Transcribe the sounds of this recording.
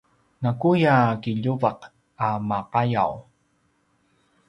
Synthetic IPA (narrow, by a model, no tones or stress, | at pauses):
nakujakiʎuvaq | amaqaja̰w